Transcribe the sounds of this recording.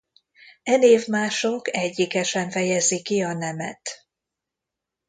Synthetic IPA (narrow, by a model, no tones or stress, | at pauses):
ɛneːvmaːʃokɛɟːikɛʃɛɱfɛjɛzikiɒnɛmɛ̰t̪